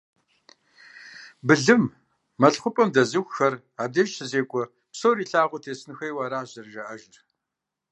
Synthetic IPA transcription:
bɨɮɨmː | ɐɬχʷʊpʼɐmdɐzɨxʷxɐr | aːb̚dɐʒʃʰɨzeːkʷʼɔ | psowɾiːɬaːʁʷʊtʰeːsɨnɨxɐjwaːɾaːʑɐrʒɐʔɐʒɪr

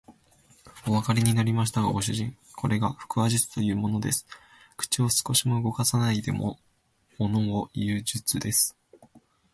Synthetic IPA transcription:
o̞βakaɾʲiɲ̟inaɾʲimaɕ̬i̥t̪aɡaɡo̞ɕ̬ɨʑĩŋ | kʰo̞ɾe̞ɡaɸɯ̟̥kɯ̟aʑit͡sɨ̥t̪o̞jɯ̟ːmo̞no̞d̪e̞sɨ̥ | kɯ̟̥t͡ɕio̞sɨ̥ko̞ɕimo̞ɯ̟ɡo̞kasanaid̪e̞̰mo̞̰ | mono̞ojɯːʑɨt͡sɨd̪e̞sɨ̥

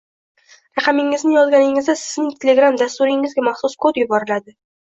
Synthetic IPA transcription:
ɾɑqʰɑmɪŋɪznɪjɒzɡʲanɪŋɪzd̪asɪznɪŋt̪ʰʲelʲe̞ɡɾamd̪ast̪uɾɪŋɪzɡʲamaχsʊskʰod̪jʊbɒɾɪlad̪ɪ

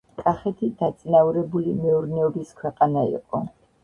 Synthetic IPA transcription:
kʼaχɛt̪ʰid̪̥at̪sʼinavuɾɛbulimɛuɾnɛɔbiskʰwɛqʼanaḭqʼɔ

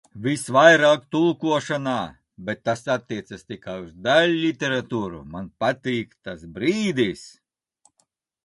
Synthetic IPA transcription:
vʲisvajɾaːkt̪ulˠkuɔʃanaː | bʲɛt̪ːasat̪ʲːiɛt̪sast̪ʲikajuzd̪alʲːit̪ʲeɾat̪uːɾṵmanpat̪ʲiːkt̪asbɾiːd̪is

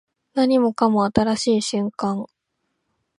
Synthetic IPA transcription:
naɲ̟imo̞kamo̞at̪aɾaɕiːɕɨ̃ŋkãŋ

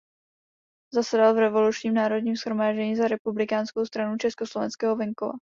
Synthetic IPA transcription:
zasɛdalvɾɛvo̞lut͡ʃɲiːmnaːɾo̞dɲiːmsxɾo̞maːʒɟɛɲiːzaɾɛpublɪkaːnskowst̪ɾanut͡ʃɛskoslo̞vɛnskɛːɦovɛŋkova̰

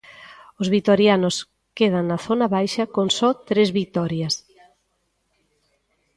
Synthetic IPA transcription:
ozβit̪oɾjanʊs | keð̞aŋnɐθonaβajʃɐkoŋsɔt̪ɾezβit̪ɔɾjas

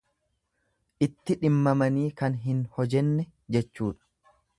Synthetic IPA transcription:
ʔɪt̪ːɪᶑɪmːɐmɐniːkɐnɦɪnhɔd͡ʒɛnːɛ | d͡ʒɛt͡ʃːuːᶑɐ̥

